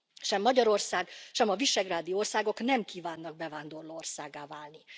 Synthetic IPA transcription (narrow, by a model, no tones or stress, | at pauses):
ʃɛmːɒɟɒɾo̞rsaːɡʃɛmɒviʃɛɡraːd̪ijoorsaːɡo̞knɛmkiːvaːnːɒɡ̚bɛvaːnd̪o̞rloːorsaːɡːaːvaːlni